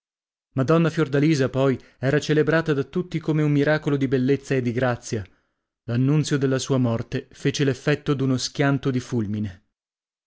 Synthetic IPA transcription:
mad̪ɔnːafjord̪aliːzapɔj | ɛːɾat͡ʃelebɾaːt̪ad̪at̪ːut̪ːikomeumːiɾaːkolod̪ibelːet̪sːaed̪ːiɡɾat̪sːja | lanːunt̪sjod̪elːasuːamɔrt̪efeːt͡ʃelefːɛt̪ːod̪unoskʲjant̪od̪ifulmine

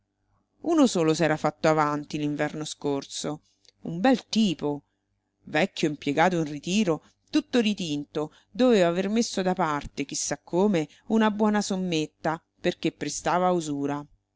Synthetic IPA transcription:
uːnosoːlosɛːɾafat̪ːoavant̪iliɱvɛrnoskort̪so | ṵmbɛlt̪iːpo | vɛkːjoimpjeɡaːt̪̬oinrit̪iːɾo | t̪ut̪ːoɾit̪int̪o | d̪oveːvaːvermesːod̪apart̪ek̟isːakʰːoːme | unabwɔːnasomːet̪ːa | perk̟epːɾest̪aːvauzuːɾa

